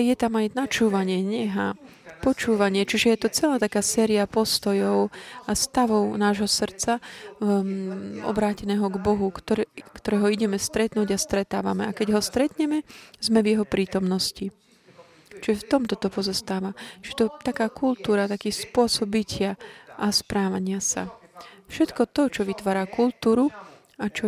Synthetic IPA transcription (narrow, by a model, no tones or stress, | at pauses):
jɛt̪amajnat͡ʃuːʋaɲɪɛɲɛɦa | pɔt͡ʃuːʋaɲɪɛt͡ʃiʒɛjɛt̪ɔt͡sɛlaːt̪akaːsɛːɾiapɔst̪ɔjɔʊast̪aʋɔʊnaːʒɦɔsr̩t͡sa | ɔ̰bɾaːcɛnɛːɦɔɡbɔɦuk̪kt̪ɔɾɛːɦɔiɟɛmɛst̪ɾɛt̪nuːɟast̪ɾɛt̪a̰ːʋa̰mɛakɛɟɦɔst̪ɾɛt̪ɲɛmɛzmɛvjɛɦɔpɾiːt̪ɔmnɔsci | t͡ʃʒɛft̪ɔmt̪ɔt̪ɔpɔzɔst̪aːʋat͡ʃɛt̪ɔt̪akaːkʰult̪uːɾat̪akiːspʊɔsɔbicɪaʔaspɾaːʋaɲɪasa̰fʃɛt̪kɔt̪ɔt͡ʃɔʋit̪ʋaːɾakult̪uːɾu | at͡ʃɔ